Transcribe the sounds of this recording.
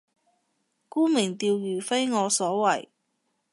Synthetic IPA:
kuː˥mɪ˨˩ŋt̪iː˧wjyː˨˩fe˥jŋɔː˨˧sɔː˨˥wɐ˨˩j

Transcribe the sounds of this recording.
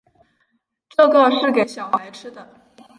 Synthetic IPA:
ʈ͡ʂɤ˥˧ɡə˥˧ʂɻ̩˥˩ke˨˧˩ɪɕjɑ˨˩ʊxa˧˥ɪʈ͡ʂʰɻ̩˥d̪ə˨

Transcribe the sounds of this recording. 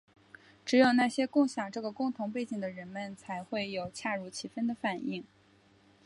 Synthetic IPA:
ʈ͡ʂɻ̩˧˥jo˨˩ʊna˥˩ɕjɛ˥kʊ˥˩ŋɕjɑ˨˩ŋʈ͡ʂɤ˥˩ɡə˩kʊ˥˩ŋt̪ʰʊ˧˥ŋpe˥˩ɪt͡ɕi˨˩ŋd̪ə˩ɻə˧˥nmə˧nt͡sʰa˧˥ɪxwe˥˩ɪjo˨˩ʊt͡ɕʰja˥˧ɻu˧˥˩t͡ɕʰi˧˥fə˥nd̪ə˨fa˨˩nʔi˥˩ŋ

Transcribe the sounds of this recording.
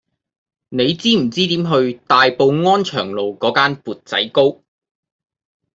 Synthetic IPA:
ne˨˧jt͡siː˥m̩˨˩t͡siː˥t̪iː˨˥mɦɵ˧ɥt̪aː˨jpo˨˧wŋɔː˥nt͡ʃʰœː˨˩ŋlo˨wkɔː˨˥kaː˥npuː˨t̚t͡sɐ̰˨˥jko˥w

